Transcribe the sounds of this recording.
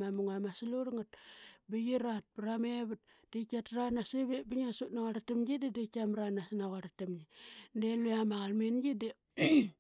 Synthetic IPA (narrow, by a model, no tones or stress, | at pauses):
mamuŋamasiloɾŋat̚biɡiɾat̚bɾameβut̚ | d̥ekatɾanaseβebiŋasutnaɣaɾatamɡidedekamɾanasnaɣaɾatamɡideluamaɣalmenɡide